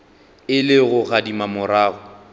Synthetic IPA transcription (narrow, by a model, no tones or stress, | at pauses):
ɪlɪɣʊɣadimamʊɾaːɣʊ